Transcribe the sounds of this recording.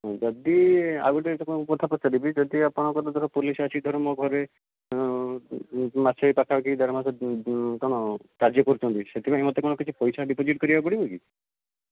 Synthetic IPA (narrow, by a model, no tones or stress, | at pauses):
ɦɔ̃d͡ʒɔd̪ia̰ɡɔʈesɔkɔnkukɔt̪ʰapɔt͡ʃaɾibid͡ʒɔd̪iapɔɽ̃ɔkɔt̪ad̪ɔkʰɔpulisasʰid̪ʱɔɾmɔɡʱɔɾe | masʰɔipakʰabakid̪aɾmasɔkɔñɔkaɾd͡ʒjɔkɔɾit͡ʃʰɔ̃nt̪iset̪ʰibaemɔt̪ekɔñɔkit͡ʃʰipɔjsaɖipod͡ʒiʈkɔɾibapɔɽibɔki